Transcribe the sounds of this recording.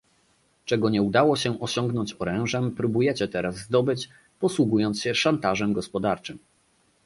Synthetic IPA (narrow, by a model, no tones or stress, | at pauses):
t͡ʂɛɡɔɲɛud̪awɔɕɛʔɔɕɔŋɡnɔɲt͡ɕɔɾɛ̃w̃ʐɛmpɾubujɛt͡ɕɛt̪ɛɾazːd̪ɔbɘt͡ɕ | pɔswuɡujɔnt̪sɕɛʂant̪aʐɛmɡɔspɔd̪aɾt͡ʂɘm